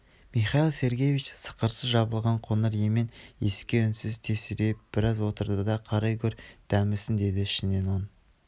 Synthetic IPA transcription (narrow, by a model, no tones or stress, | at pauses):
miχɑjilˠse̞ɾɡʲe̞jvit͡ʃsə̥qəɾsəzʒɑbəlˠʁɑɴqʰonəɾjemene̞skʲe̞ʏnsɪzt̪ʰe̞sɪɾep̚b̥ɪɾɑzwo̞t̪əɾd̪əd̪ɑqʰɑɾɑjkʲʰɵɾd̪̥æmɪsɪnd̪e̞d̪ɪɪʃɪne̞non